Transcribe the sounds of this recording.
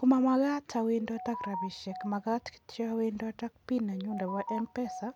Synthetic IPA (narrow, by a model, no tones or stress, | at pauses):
kumamaɣatʰawindɔtakɾaβiʃɛkmaɣatki̥tɔawindɔtak̚pinaɲundɛβaʔɛmpɛsa